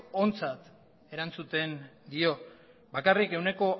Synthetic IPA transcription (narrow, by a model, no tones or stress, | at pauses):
ont͡sat̪ | e̞ɾant͡sut̪e̞nd̪io̞ | bakarike̞wne̞ko̞